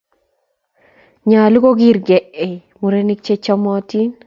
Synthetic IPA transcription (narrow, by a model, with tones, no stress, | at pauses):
ɲa˨lu˦ko˦ɡi˦ɾɡɛ˨ʔe˨mu˨ɾe˦ni˦k̚t͡ʃe˦t͡ʃɔ˦mɔ˦ti˦n